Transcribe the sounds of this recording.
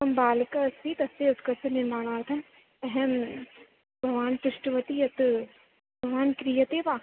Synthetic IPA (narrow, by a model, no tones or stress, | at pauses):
ɐmbaːlkɐɐsiːt̪ɐseːʊt̪kɐsɐnɪmaːɽaːt̪ʰɐn | ɛɦɛm | bʱɐʋaːnpɾɪʃʈəʋɐt̪ijɐt̪ | bʱɐʋaːnkɾijɐt̪eːʋaː